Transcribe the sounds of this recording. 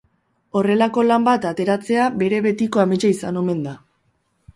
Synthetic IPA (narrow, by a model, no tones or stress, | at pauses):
o̞re̞lako̞lambat̪at̪e̞ɾat͡se̞abe̞ɾe̞βe̞t̪iko̞amet͡ʃaisano̞me̞nd̪a